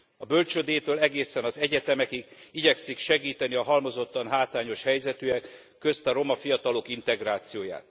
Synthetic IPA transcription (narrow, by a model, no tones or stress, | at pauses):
ɒbølt͡ʃød̪eːt̪øːlɛɡeːsɛnɒzɛɟɛt̪ɛmɛkiɡiɟɛksikʃɛɡiːt̪ɛniɒɦɒlmo̞zo̞t̪ːɒnɦaːt̪aːɲo̞ʃhɛjzɛt̪yɛkː | ø̞st̪ɒɾo̞mɒfijɒt̪ɒlo̞kint̪ɛɡɾaːt̪sijoːja̰ːt̪